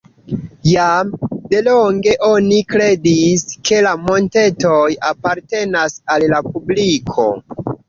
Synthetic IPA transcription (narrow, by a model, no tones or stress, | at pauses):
jamde̞loŋɡe̞ʔo̞nikɾe̞diske̞lamo̞nte̞to̞japaɾte̞nasallapublikʰo̞̰